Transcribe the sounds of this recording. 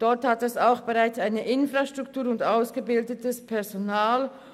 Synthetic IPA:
d̥ɔɐthatɛsaʊxb̥eʁaɪt͡saɪnəʔɪnfʁaʃtʁ̥ʊktuːɐɾʊndaʊsɡ̥əbɪldətəspʰɛɐzonaːl

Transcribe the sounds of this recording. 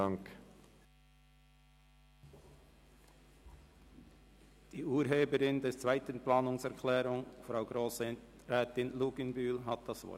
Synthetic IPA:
ɑŋk | d̥iːʔuːɾɦeːbəɾɪndɛt͡svaɪtənplɑːnʊŋsɛɐkʰlɛːɾʊŋfʁaʊɡʁoːs | ɾɛːtɪnluɡənbyːlɦɑt̚d̥ɑsvɔ̰

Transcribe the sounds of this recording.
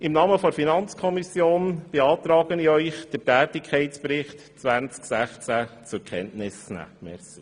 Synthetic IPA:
ɪmnɑːməfɔfinɑnt͡skʰɔmisjoːnb̥eɑːt̪ɾɑːɡəniœʏχd̥ətæːtɪkʰχɛɪtspɾɪχt | t͡sʋænt͡sksæχt͡sæt͡sʊkʰɛntnɪsnæ̰ːmɛɾsi

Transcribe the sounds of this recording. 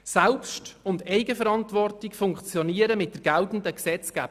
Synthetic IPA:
sɛlpʃtʊndɛɪɡəfəɾɑntʋɔrtɪkfʊŋkt͡sjɔniəɾəmɪt̚d̥əɾɡ̥ɛltn̩dəksɛt͡sɡ̥æ̰ːb

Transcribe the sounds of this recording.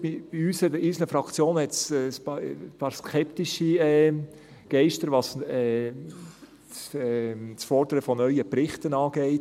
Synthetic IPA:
ib̥iyːsɛdəɾiːsl̩nəfɾɑkt͡sjoːnhɛtsɛsppɑːɾskʰɛptiʃiɛ | ɡ̥ɛɪʃtəɾʋɑsɛ | t͡sɛt͡sfɔɾd̥̪əɾəfɔnœʏəpɾɪχtənɑːɡ̥eɪt

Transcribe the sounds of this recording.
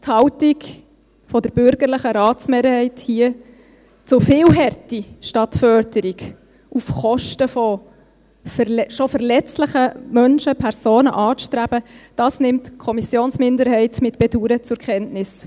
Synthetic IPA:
thɑwtik | fɔdəɾb̥ʏɾɡəɾlɪχəɾɑːt͡smɛːɾhɛɪthiə | t͡sʊfɪlɦɛrtiʃtɑtfœɾdəɾiɡ | ufχɔʃtəfɔ | fʃofəɾlɛt͡sləχəmœnʃəpʰɛɾsoːnə̰ʔɑːʃtɾæb̥əd̥ɑːsnɪmtkʰɔmisjoːnsmɪndəɾɦɛɪtmɪtb̥ɛduːɾət͡sʊɾkχɛntnɪs

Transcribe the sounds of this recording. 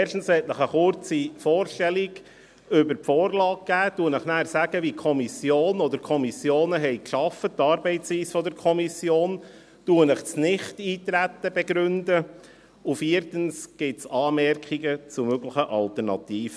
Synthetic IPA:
ɛrʃtn̩shɛtnəχəχʊɾt͡sifɔːrʃtɛliɡ | ʏbəɾpfɔːrlɑːk̚ɡ̥æːtuənəχnæːɾsæɡ̥əʋikʰɔmisjoːnɔd̪əɾkʰɔmisjoːnəɦɛɪjkʃɑfəttːɑːɾbɛɪtt͡sʋiːsfɔd̪əɾkʰɔmisjoːn | tuənəχsnɪχtiːt̪ɾæt̪ːəb̥ɛɡɾʉndə | ufiəɾtənsɡ̥ɪtsɑːmɛrkχiɡət͡sumøɡləχəʔɑlt̪əɾnɑt̪iːfə

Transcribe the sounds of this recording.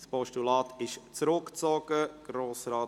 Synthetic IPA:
spɔʃtulɑːtʰɪʃt͡sɾʊkt͡sɔɡ̥əɡ̥ɾoːsɾɑː

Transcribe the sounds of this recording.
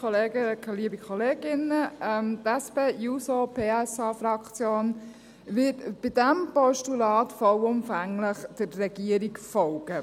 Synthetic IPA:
ɔleːɡəkɛliːəbikχɔleːɡ̥ɪnəɛmt̪ɛspeːjusɔpʰeːɛsɑːfɾɑkʰt͡sjoːn | ʋɪtb̥ɪdæmpɔʃtulɑːtfɔwʊmfæŋləχd̥ərːɛɡ̥iəɾikfɔwɡə

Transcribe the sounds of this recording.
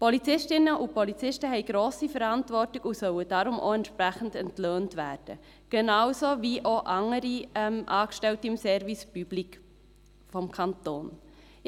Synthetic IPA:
pɔlit͡sɪʃtɪnəʔupʰɔlit͡sɪʃtəɦɛɪɡ̥ɾoːsifɛɾɑntvɔrtiɡ̥usœwəd̥ɑɾʊmʔo̰ɛntʃpɾæχn̩dɛntløːntvæːɾd̥ə̰ | ɡ̥ɛnɑwsoviʔoʔɑŋəɾiɛmʔɑːkʃtɛltiɪmsɛɾvispyblik | fɔmkʰɑntoːn

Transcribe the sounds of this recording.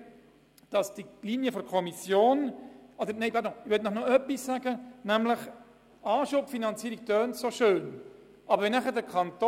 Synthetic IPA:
d̥ɑsd̥iliːnjəfɔɾkʰɔmisjoːnʔɔd̪əɾneɪbɑdoɪʋøtnɔχnoœpːisːæɡənæmləχ | ɑːʃʊpfinɑnt͡siːɾik̚tøːntsoʃøːn | ʔɑbəɾʋɛnæχədəkʰɑnto

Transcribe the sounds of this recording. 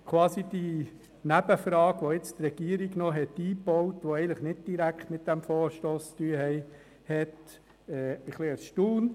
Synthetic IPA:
kʰʋɑːsid̥i | næbəfɾɑːɡʋoɪt͡st̪ɾɛɡ̥iəɾiɡnɔɦɛtiːbɔwtʋoɛɪɡənləχnɪt̚d̥iɾækχt̪mɪt̚d̥æmfoːɾʃtoːst͡st̪yːəhɛɪ | hɛt | ɛɪχleːɾsʃtuːn

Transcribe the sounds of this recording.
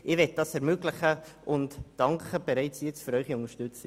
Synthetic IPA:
ʔɪʋɛt̚d̥ɑsɛɾmøːɡlɪχəʔʊntd̥ɑŋkəb̥eɾɛɪt͡sjɛt͡sfyɾœʏχiʊŋəʃtʉt͡si

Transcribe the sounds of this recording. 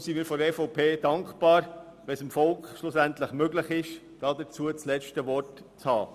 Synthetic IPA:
siːmiːɾfɔɾɛfɔʊpʰeːd̥ɑŋkχpɑːɾ | ʋɛsɪmfɔlkχʃlʊsæntləχmøɡlɪχɪʃ | d̥ɑːdət͡suət͡slɛt͡ʃtəʋɔrt | t͡shɑ̰ː

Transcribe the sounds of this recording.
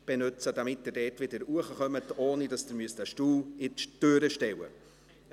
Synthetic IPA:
b̥ɛnʉt͡səd̥ɑmɪtdɪdɛːtʋɪdəɾuəχəχœmətoːnidɑsd̥əɾmyəstæʃtuːlɪtøɾəʃtɛwə̰

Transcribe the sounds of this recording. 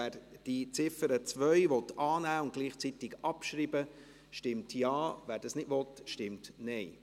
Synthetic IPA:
æːɾd̥it͡sɪfəɾət͡sʋœʏʋɔt̪ɑːnæːʊntɡ̥liːχt͡sitɪɡɑpʃɾiːbə | ʃtɪmtjɑːvæːɾd̥ɑsnɪdʋɔt̪ʃtɪmtnɛɪ

